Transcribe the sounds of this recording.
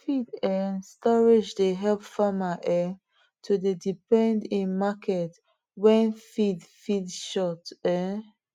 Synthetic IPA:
fidɛstɔɹid͡ʒdeɦɛlpfamaʔɛ | tʰudedipɛ̃ndĩnmakʰɛt | wɛ̃nfidfidʃɔtɛ

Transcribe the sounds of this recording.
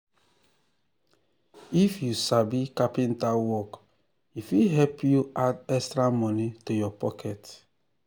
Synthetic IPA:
ifjusabikapin̩tawɔk | ifiɦɛpjuadɛstɾamɔnitujɔpɔkʰɛt

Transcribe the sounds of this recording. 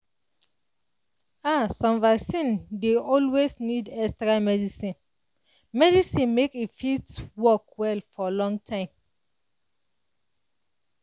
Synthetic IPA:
asɔ̃mvaksĩndeɔlwesnidɛstɹamɛdisĩn | mɛdisĩnmekifitwɔkwɛlfɔlɔ̃ŋɡtʰãɪ̃m

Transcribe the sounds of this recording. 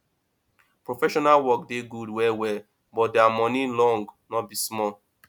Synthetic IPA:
pɹofɛʃɔnalwɔk̚deɡudwɛwɛ | bɔt̚dɛamɔ̃nilɔ̃ŋɡnɔbismɔl

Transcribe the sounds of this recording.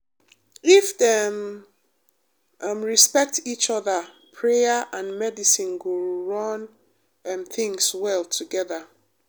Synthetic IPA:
ifdɛm | mɹispɛk̚tit͡ʃɔðə | pʰɹejaʔãnmɛdisĩnɡoɹɔ̃n | mθĩŋswɛlˠtʰuɡɛðə

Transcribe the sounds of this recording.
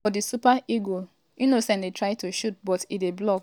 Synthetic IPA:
ɔdisupaiɡo | junosɛ̃ndetʰɹaɪtuʃut̚bɔtideblɔk

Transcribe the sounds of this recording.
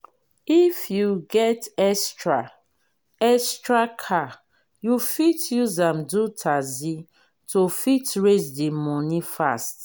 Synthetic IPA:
ifjuɡɛtɛstɹa | ɛstɹakʰa | jufitʰjuzãmdutʰazi | tofitɹesdimɔnifast

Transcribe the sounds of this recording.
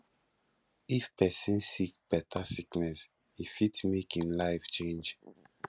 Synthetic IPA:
ifpɛsĩnsikb̥ɛtʰasiknɛs | ifitmekĩnlaɪft͡ʃẽnd͡ʒ

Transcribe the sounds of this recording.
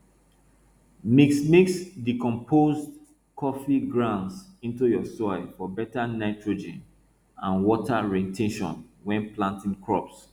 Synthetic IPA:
miksmeksdikɔ̃mpʰozd | kʰɔfiɡɹãʊ̃nsĩntujɔsɔɪfɔbɛtanaɪtɹod͡ʒɛ̰̃n | ãnwɔtʰaɹetʰeʃɔ̰̃nwɛ̃nplãntĩŋkɹɔps

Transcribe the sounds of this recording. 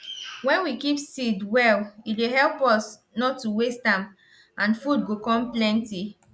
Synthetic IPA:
wɛ̃nwikipsidwɛlieɦɛlpɔs | nɔtːuwestãm | ãnfud̚ɡokɔ̃mplɛ̃nti

